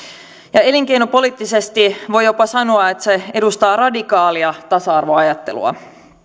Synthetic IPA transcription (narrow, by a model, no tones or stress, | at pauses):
jɑe̞liŋk̟e̞jnopo̞liːt̪ːisest̪iʋo̞jopɑsɑnoɑet̪se̞e̞dust̪ɑːrɑdikɑːliɑt̪ɑsɑɑrʋo̞ɑjɑt̪ːe̞̰lṵɑ̰